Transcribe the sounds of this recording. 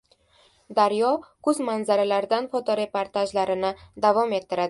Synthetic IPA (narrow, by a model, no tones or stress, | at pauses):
d̪aɾjɒkɵzmanzaɾalaɾd̪anfɒt̪ʰɒɾe̞poɾt̪ʰaʒlaɾɪnɪd̪avɒme̞t̪ʰːɪɾad̪ɪ